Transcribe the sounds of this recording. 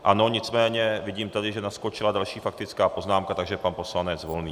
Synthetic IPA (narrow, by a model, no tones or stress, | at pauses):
ʔano̞ɲɪt͡smɛːɲɛvɪɟiːmt̪adɪʒɛnasko̞t͡ʃɪladalʃiːfak̚t̪ɪt͡skaːpo̞znaːmkat̪aɡʒɛpanpo̞slanɛt͡svo̞lniː